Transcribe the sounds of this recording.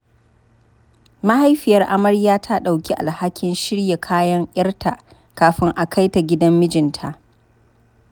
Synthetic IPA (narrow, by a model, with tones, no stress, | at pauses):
ma˦ha˦jɸɪ˨jɐ˨rʔa˦mɐ˦ɽjaː˦tʰa˦ɗa˨wkʲi˦ʔa˨lha˦kʲʰɪ˦nʃɪ˦ɽje˨kʰaː˦jɐ˦ŋʔʲɐ˦rtʰa˨ | kaː˨ɸɪ˦ŋʔa˨kʰa˦jta˨ɡʲɪ˦dɐ˦mːɪ˦d͡ʒɪ˨ntʰa˨ʔ